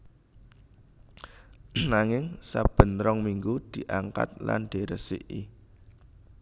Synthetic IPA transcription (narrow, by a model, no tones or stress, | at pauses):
naŋɪŋsab̥ə̤nɾɔŋmiŋɡud̪̥i̤ʔaŋka̰t̪̚la̰nd̪̥e̤ɾəsɪ̰ʔi